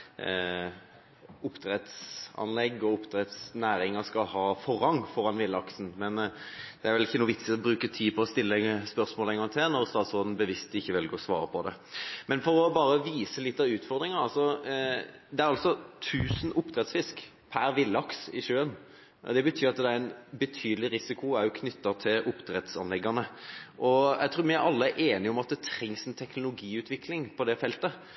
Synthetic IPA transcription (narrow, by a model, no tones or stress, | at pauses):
ʊpːt̪ɾɛt̪sɑ̰nlɛɡːɔʊpt̪ɾɛt̪snæːɾɪŋəskɑlhɑːfɔɾɑŋːfɔɾɑnʋɪlːɑksn̩mɛnd̪̥ɛæɾʋɛlɪçːənuːʋɪt̪sɪɔbɾʉːkət̪ʰiːpʰɔːst̪ɪlːəspœʁsmoːlɛŋɑnt̪ʰeːnɔʁst̪ɑːt̪sɔd̪n̩bəʋɪst̪ɪçːəʋɪlɡoːsʋɑ̰ːɾəpʰɔd̪ɛ̰ | mɛnfɔɾɔbɑːɾəʋiːsəlɪt̪ːɑʉːt̪fɔʁd̪ɾɪŋəɾɑlsɔ | d̪ɛæɾɑlsɔt̪ʰʉːsn̩ʊpd̪ɾɛt̪sfɪsk | pʰæɾʋɪlːɑksɪ̰ʃøːən | d̪ɛbət̪ʰyːɾɑt̪̚d̪ɛæɾɛnbət̪ʰyːd̪əlɪɾɪsɪkʊæjʊkʰnʏt̪ːəʁt̪ʰɪlʊpːd̪ɾɛt̪sɑ̰nlɛɡːɑnəʔɔæɪt̪ɾuːɾmɪɑlːəæʔeːnɪɔmɑt̪̚d̪ɛt̪ʰɾɛŋsɛnt̪ʰɛknʊlʊɡiːʉːt̪ʰʋɪkʰlɪŋpʰɔd̪ɛfɛlt̪ə